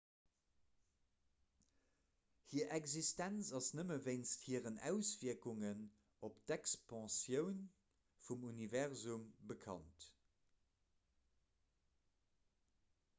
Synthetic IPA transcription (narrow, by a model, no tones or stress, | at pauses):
hiːɐʔɛkzistænt͡sɑsnəməveɪnsthiːəʁənæ̰ʊsv̥iɐkuŋən | optɛkspɑ̃sjəʊn | fumunivɛʁzumbəkʰɑ̰nt